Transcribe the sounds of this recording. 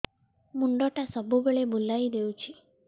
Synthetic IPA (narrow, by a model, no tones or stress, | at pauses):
muɳɖɔʈasɔbubeɭebulajd̪ewt͡ʃʰi